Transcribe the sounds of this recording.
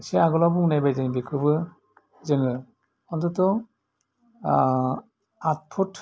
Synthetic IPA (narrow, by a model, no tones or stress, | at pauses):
seaɡɔlabuŋnajbajdanibikʰɯbɯ | zɯŋɯ | ɔndɯtɔ | at̚pʰutʰ